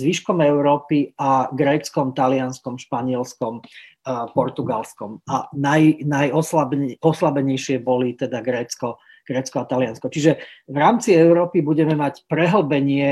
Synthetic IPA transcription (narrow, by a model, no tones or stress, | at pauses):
zʋiʃkɔmɛʊɾɔːpiaɡɾɛːt͡skɔmt̪alɪanskɔmʃpaɲɪɛlskɔm | pɔɾt̪uɡalskɔmanajnajɔslabɔslabɛɲɛjʃɪɛbɔlit̪ɛd̪aɡɾɛːt͡skɔ | ɡ̥ɾɛːt͡skɔat̪alɪanskɔt͡ʃiʒɛʋɾaːmt͡siɛʊɾɔːpibuɟɛmɛmacpɾɛɦl̩ˠbɛɲɪɛ